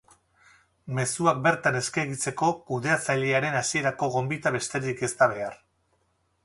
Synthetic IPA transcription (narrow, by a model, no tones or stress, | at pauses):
me̞suak̚be̞ɾt̪ane̞skaɣit͡se̞ko̞kuðe̞at͡saʎeaɾe̞nasie̞ɾako̞ɣo̞mbit̪aβe̞st̪e̞ɾike̞st̪aβ̞e̞ar